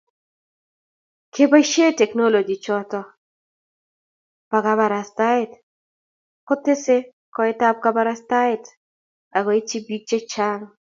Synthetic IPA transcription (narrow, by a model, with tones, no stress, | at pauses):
kʰe˦ba˦ʃe˦tɛ˨kno˦lo˨d͡ʒi˨t͡ʃɔ˦tɔ˦ | pa˨ɡa˨ba˨ɾa˨sta˦ɪt | kʊ˦tːɪ˦sɪ˦ | kɔ˦ɪ˦ta˦p̚ka˦ba˦ɾasta˦ɪ˦t | a˨ɡɔ˨i˦t͡ʃi˦bi˦k̚t͡ʃe˦t͡ʃa˦ŋ